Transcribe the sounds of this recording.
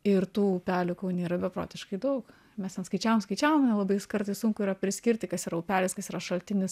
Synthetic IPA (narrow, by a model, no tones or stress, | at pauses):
ɪrt̪uːpʲæːlʲʊkɐʊnʲeːɾɐbʲɛpɾo̰ːt̪ʲɪʃkɐɪd̪ɐʊk | mʲɛst̪ʲɛnskɐɪt͡ʃʲæːʋomskɐɪt͡ʃʲæːʋomnɛlˠɐbɐɪskɐɾt̪ɐɪsʊŋkʊiːɾɐpʲɾʲɪsʲkʲɪɾʲt̪ʲɪkɐsiːɾɐʊpʲæːlʲɪskɐsiːɾɐʃɐlʲt̪ʲɪnʲɪs